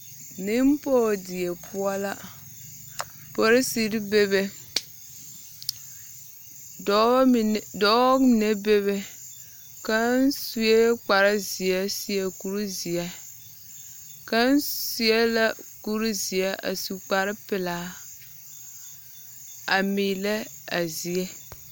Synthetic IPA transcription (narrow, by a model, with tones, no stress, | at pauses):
nɪ˦m˦poː˦dɪ˨e˨pʰʊ˦ɔ˦la˦ | po˦ɾɪ˦si˨˦ɾi˦be˦be˦˨ | dɔ˨˦˨ne˦be˦βe˦ | ka˦n˦su˦e˦k͡pa˨ɾɪ˦zi˨ɛ˦si˦ɛ˦ku˨ɾu˦zi˨ɛ˦ | ka˦n˦si˦ɛ˦la˦ku˦ɾu˦zi˨ɛ˦ʔa̰˨su˨k͡pa˨ɾɪ˦pɪ˨laː˦ | a˨miː˨lɛ˦a˨zi˨ɛ˦